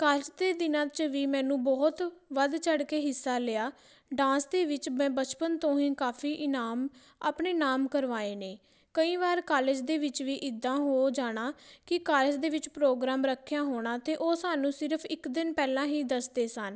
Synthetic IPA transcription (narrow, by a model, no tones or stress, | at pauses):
kaːd̪eːd̪ɪnãːt͡ʃʋiːmɛ̃ːnũːbɔːt̪ʋəd̪t͡ʃəɽkeːɦɪsːaːlɪjaː | ɖãːsd̪eːʋɪt͡ʃmɛ̃ːbət͡ʃpənt̪õːɦĩːkaːpʰiːʔɪnaːm | a̰ːpɳeːnaːmkəɾʋaːeːneː | kəĩːʋaːɾkaːləd͡ʒd̪eːʋɪt͡ʃʋiːʔɪd̪ːãːɦoːd͡ʒaːɽ̃aːkɪkaːləd͡ʒd̪eːʋɪt͡ʃpɾoːɡɾaːmɾəkʰːɪjãːɦoːɽ̃ãːt̪eːʔoːsaːnũːsɪɾpʰɪkd̪ɪnpɛːlãːɦiːd̪əsd̪eːsən